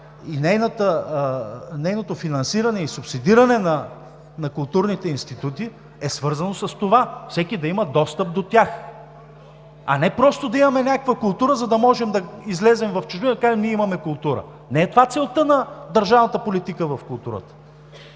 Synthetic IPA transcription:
inɛjnət̪ə | nɛjnot̪ofinɐnsiɾɐnɛisʊpsid̪iɾɐnɛnɐ | nɐkʊlˠt̪uɾnit̪ɛinst̪it̪ut̪i | ɛsvɤɾzɐnosɐst̪ovafsɛkʲid̪ɐimɐd̪ɔst̪əp̚d̪ot̪ʲjax | ɐ̰nɛpɾɔst̪od̪ɐimɐmɛnʲakəkvəkʊlˠt̪uɾəzɐd̪ɐmɔʒɛmd̪ɐizlɛzɛmvɐft͡ʃʊʒbind̪ɐkaʒɛmniɛimɐmɛkʊlˠt̪uɾə̰ | nɛɛt̪ovat̪sɛlˠt̪ɤnɐd̪ɐɾʒavnɐt̪əpolit̪ikəvɐfkʊlˠt̪uɾə̰t̪ə̥

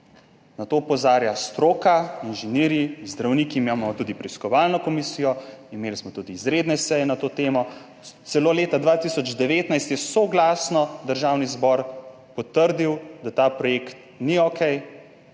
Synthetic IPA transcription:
nat̪oːpɔzaːɾjast̪ɾoːkainʒɛniːɾjizd̪ɾawniːkimamɔt̪ud̪ipɾɛiskɔʋaːlnɔkɔmisijɔimeːlismɔt̪ud̪iːzɾeːd̪nɛsɛjɛnat̪oːt̪eːmɔ | t̪sɛloːleːt̪ad̪ʋaːt̪isɔd͡ʒd̪ɛʋeːt̪najst̪jɛsoɡlaːsnɔd̪əɾʒawnizbɔɾ | pɔt̪əɾd̪iwd̪at̪aːpɾɔjekt̪̚ | niɔkʰɛj

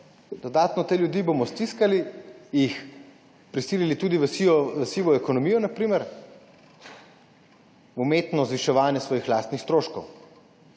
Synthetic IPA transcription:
d̪ɔd̪aːt̪nɔt̪eːljud̪iːbomɔst̪iskalijix | pɾisiːlilit̪uːd̪iʋəsiɔʋəsiːʋɔɛkɔnɔmiːjɔnapɾiːmɛɾ | umeːt̪nɔzʋiʃɛʋaːnjɛsʋɔːjixlaːst̪nixst̪ɾoːʃkɔw

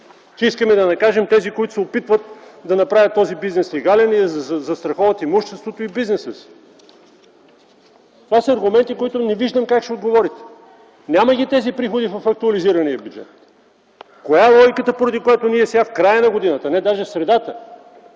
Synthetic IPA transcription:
kɛiskəmɛd̪ɐnɐkaʒɛmt̪ɛzikoit̪ʊ̥sɛopit̪vət̪d̪ɐnɐpɾavʲət̪ːɔzibiznɛslɛɡalɛniɛzzzɐst̪ɾɐxɔvət̪imuʃt̪ɛst̪vot̪oibiznɛsəsi̥ | t̪ovasəɐɾɡʊmɛnt̪ikoit̪ʊnɛviʒd̪əmkakʃt̪ɛod̪ɡovɔɾit̪ɛ̥ | nʲaməɡʲit̪ɛzipɾixod̪ivɐfɐk̚t̪uɐliziɾɐniəbʲjud͡ʒɛ̰t̪ | kojaɛlˠɔjikət̪əpoɾɐd̪ikojat̪oniɛsʲafkɾajənɐɡod̪inət̪ənɛd̪aʒɛfsɾɛd̪at̪ə

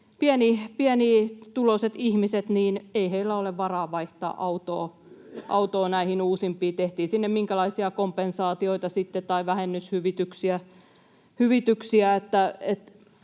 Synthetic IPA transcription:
piænipiæniːt̪uloset̪ihmiset̪niːneiheilːæoleʋʋɑrɑːʋɑiht̪ɑ̰ːʔɑut̪oː | ʔɑ̰ut̪oːnæihinuːsimpˑiːt̪eht̪iːsinːemmiŋkælɑisiɑkompensɑːt̪ioit̪ɑsit̪ːett̪ɑiʋæhenːyshyʋit̪yksiæ | hyʋit̪yksiæet̪ːæet̪

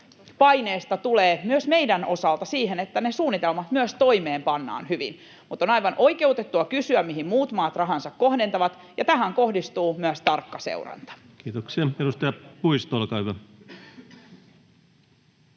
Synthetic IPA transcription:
pɑjneːst̪ɑt̪uleːmyøsme̞jdæno̞sɑlt̪ɑsiːɦenet̪ːæne̞suːnːit̪elmɑt̪myøst̪o̞ime̞ːmpɑnːɑ̰ːnhyʋḭn | mut̪ːˑo̞nɑjʋɑnʔo̞jke̞ut̪et̪ːuɑkysyæmmiɦimmuːt̪mɑːt̪rɑɦɑnsɑkko̞hdent̪ɑʋɑt̪ | jɑt̪æɦæŋko̞hdist̪uːmyæst̪ɑrkːɑsḛurɑ̰nt̪ɑ̥ | kiːt̪oksiɑedust̪ɑjɑpuist̪olkɑːhyʋæ

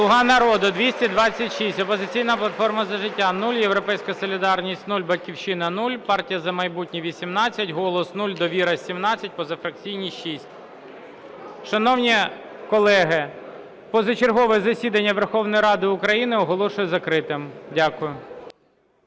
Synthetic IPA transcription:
slˠʊɦɑnɐɾɔd̪ʊd̪ʲʋʲisʲtʲɛd̪ʋɑt͡sʲːɐtʲʃisʲtʲɔpɔzɪt͡sʲijnɐplˠɐt̪fɔrmɐzɐʒɪtʲːanulʲjeʋɾɔpɛjsʲkɐsɔlʲid̪ɑrnʲisʲtʲnulʲbɐtʲkʲiwʃɪnɐnulʲpɑrtʲijɐzɐmɐjbutʲnʲiʋʲisʲimnɑt͡sʲːɐtʲɦɔlˠɔsnulʲd̪ɔʋʲiɾɐsʲimnɑt͡sʲːɐt̚ʲpɔzɐfɾɐk̚t͡sʲijnʲiʃisʲtʲ | ʃɐnɔwnʲi | kɔlˠɛɦɪ | pɔzɐt͡ʃerɦɔʋɛzɐsʲid̪ɐnʲːɐʋerxɔwnɔjɾɑd̪ɪʊkɾɐjinɪɔɦɔlˠɔʃʊjɛzɐkɾɪt̪ɪmdʲakʊjʊ

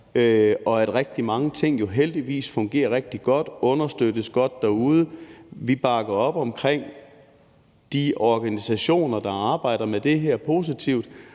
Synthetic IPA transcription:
øʔɒ̽æd̥ʁɛɡ̥̚d̥imɑ̈ŋət͡sʰe̝ŋ̰jo̝ɦeld̥iʋḭːsfɔ̽ŋɡ̥e̝̰ːɐʁɛɡ̥̚d̥iɡ̥ɒ̽d̥ɔ̽nɐsd̥ød̥əsɡ̥ɒ̽d̥ːæuːð̞ˠəʋib̥ɑ̈ɡ̥ɐɒ̽b̥ɒ̽mkʰʁeŋ̰ | d̥iɒɡ̥ænisæɕo̝̰ːnɐd̥ɑ̈ɑ̈ːb̥ɑ̈ɪ̰d̥ɐmed̥e̝ɦɛɐ̰pʰo̝ːs̬it͡sʰiʊ̰d̥

